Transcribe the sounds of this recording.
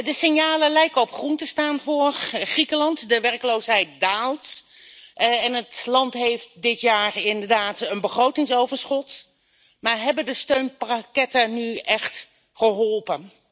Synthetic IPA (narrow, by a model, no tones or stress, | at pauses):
dəsɪnjaːləlɛjkəɔpχruntəstaːnvʊːχrikəlɑntdəʋɛrkəlowsɦɛjt̚daːlˠt | ɛnətlɑntɦejftdɪtjaːrɪndəɹdaːtənbəχrowtɪŋsowvəɹsχɔt | maːɹɦɛbəndəstøɥnpakɛtanyʔɛχt | χəɦɔlˠpən